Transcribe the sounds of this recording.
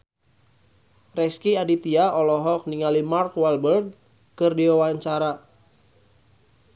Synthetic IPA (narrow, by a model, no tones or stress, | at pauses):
rɛskiadit̪iaɔlɔɦɔk̚niŋalimarkwalbərɡ̚ | kɨrdiwawaɲt͡ʃaɾa